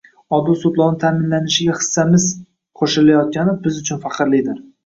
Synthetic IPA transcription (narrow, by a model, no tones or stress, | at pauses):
ɒd̪ʊsʊb̪lˠɒwnɪt̪ʰaːmɪnlanɪʃɪɡʲaχɨ̥sːamɪz | qʰoʃɪlajɒt̪̚kʲanɪbɪzʊt͡ʃʰʊnfaqʰɨɾlɪd̪ɪɾ